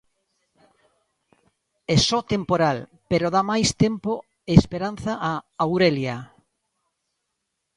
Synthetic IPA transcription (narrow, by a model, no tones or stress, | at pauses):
ɛsɔt̪empoɾal | peɾoðamajst̪empo | eːspeɾan̟θaʔaawɾelja